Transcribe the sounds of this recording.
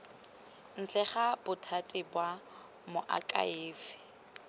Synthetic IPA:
n̩t͡ɬʰʼɛχabʊtʰatʼɪbwa | mʊʔa̰kʼa̰ɪːfɪ̥

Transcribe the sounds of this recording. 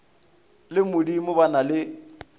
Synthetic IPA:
lɪmʊdimʊbanalɪ

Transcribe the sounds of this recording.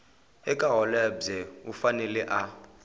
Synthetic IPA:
ɛkʼaɦɔlɛbd͡zɛufanɛlɛʔa

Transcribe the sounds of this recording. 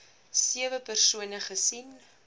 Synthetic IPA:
siəvəpərsuənəχəsin

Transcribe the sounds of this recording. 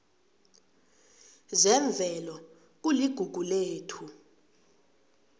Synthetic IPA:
zɛɱb̪vʱɛlɔ | k̬uliɡ̥ʱuɡ̥ʱuleːtʰu

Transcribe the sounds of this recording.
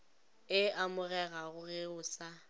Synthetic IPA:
ɪamʊɣɛɣaɣʊɣɪʊsa

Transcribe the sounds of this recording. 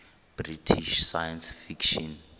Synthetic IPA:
b̥ritʰiʃsajɛnsfikʃɔn

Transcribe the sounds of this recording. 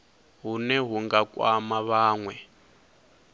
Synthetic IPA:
ɦunɛɦuŋɡakwamaβaːŋwɛ

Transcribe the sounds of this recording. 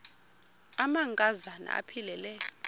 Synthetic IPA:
amaŋkʼazana̰a̰pʰilɛlɛjɔ

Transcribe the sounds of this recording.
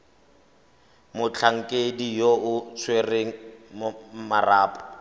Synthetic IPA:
mʊt͡ɬʰaŋ̩kʼedijoʊt͡sʰwereŋ̩mmaraːpʼɔ̥

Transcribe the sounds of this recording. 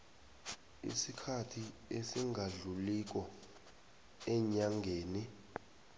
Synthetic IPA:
ḭsikʰatʰiesiŋʱaɮulik̬ɔ | ɛɲaŋɡʱeːni

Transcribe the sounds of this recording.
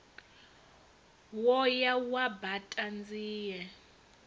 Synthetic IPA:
wɔjawabatʼand͡ziːjɛ

